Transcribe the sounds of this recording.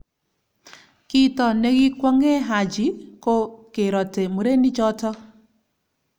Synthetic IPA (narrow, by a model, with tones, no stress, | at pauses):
ki˦tɔ˨ne˦ɣi˦kwɔ˦ŋe˦ɦa˨d͡ʒi˨˦ko˦ke˨ɾɔ˨te˨mu˨ɾe˦ni˦t͡ʃɔ˦tɔ˦